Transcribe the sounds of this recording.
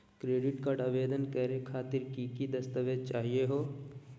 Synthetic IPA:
kɾeːɖɪʈkaːɖaʋeːd̪ənkəɾekʰaːt̪ɪɾkikid̪ɐst̪əʋed͡ʒ̚t͡ʃaːɦieɦoː

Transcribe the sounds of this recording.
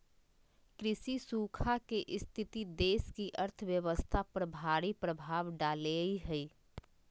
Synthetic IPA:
kɾɪsisukʰakeʔɪst̪ʰit̪id̪eːskiʔəɾt̪ʰəʋjəʋəst̪ʰapɾəbʱaɾipɾəbʱaːʋɖaːleiɦəi

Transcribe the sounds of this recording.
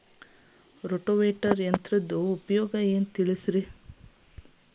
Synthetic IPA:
ɾoʈoʋeːʈɐɾjɐnt̪ɾɐd̪uːpɐjɔːɡɐeːnt̪iɭisɾi

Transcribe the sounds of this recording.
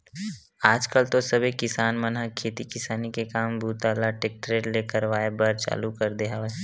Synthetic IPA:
aːd͡ʒkəlt̪osɐbʱekɪsaːnmɐnɦəkʰːeːt̪ikɪsaːnikekaːmbʱuːt̪aːlaʈeːk̚ʈɾeːʈleːkəɾʋaːebəɾt͡ʃa̰ːlukɐɾd̪eːɦa

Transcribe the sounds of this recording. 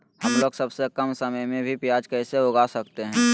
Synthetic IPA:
hɐmloːɡsɐbsekəmsəməjmẽbʱipɪjaːd͡ʒkɛːseʊɡaːsɐkt̪eɦɛ̃ː

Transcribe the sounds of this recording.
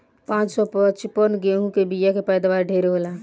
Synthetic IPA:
pãt͡ʃsɔpət͡ʃpənɡeɦũkebijakepəjd̪abaɾɖʱeɾɦola

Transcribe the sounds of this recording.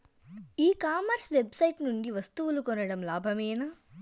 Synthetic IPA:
iːkaːmɐɾsʋebsɐjʈnuɳɖiʋɐst̪uʋulukɔnɐɽɐmlaːbʱɐmɛːnaː

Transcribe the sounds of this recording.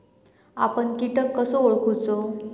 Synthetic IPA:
a̰pəɳkiʈəkːəsooɭkʰut͡so

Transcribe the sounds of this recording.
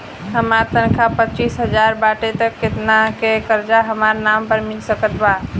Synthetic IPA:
ɦəmaɾt̪ənkʰapətːt͡ʃisɦəd͡ʒaɾbaʈet̪əkːet̪nakekəɾd͡ʒaɦəmaɾnampəɾmilsəkət̪ba

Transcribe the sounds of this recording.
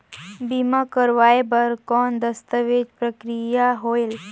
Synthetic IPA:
bimakəɾʋajbəɾkɔnd̪əst̪əʋed͡ʒpɾəkɾijaɦoel

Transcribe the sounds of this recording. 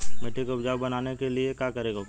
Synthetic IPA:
meʈikopd͡ʒaːʋbɐnaːnekeliekjaːkɐɾeːɡo

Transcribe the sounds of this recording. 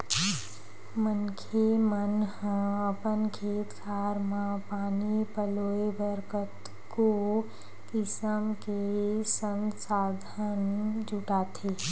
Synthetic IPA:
mənkʰemənhə̃əpənkʰet̪kʰaɾmãpanipəloebəɾkət̪ | ko | kisəmkesənsad̪ʱənd͡ʒuʈat̪ʰe

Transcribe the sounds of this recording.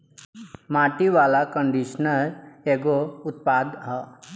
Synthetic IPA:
maːʈiʋaːlakəɳɖiʃnəɾeːɡoʊt̪̚paːd̪ɦə

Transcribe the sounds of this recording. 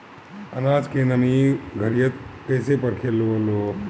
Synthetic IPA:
ənad͡ʒkenəmiɡʱəɾijət̪kəjsepəɾkʰelːolo

